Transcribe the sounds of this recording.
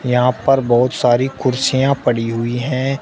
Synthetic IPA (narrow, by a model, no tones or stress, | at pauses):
jɐɦãpɐɾbɔːʊt̪saːɾikʊɾsijãpɐɽiɦʊiɦɛ̃ː